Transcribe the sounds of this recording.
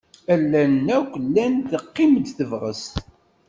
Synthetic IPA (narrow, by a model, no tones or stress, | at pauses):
ælːænːækʷəlːænðəqːimd̪θəvʁə̰st̪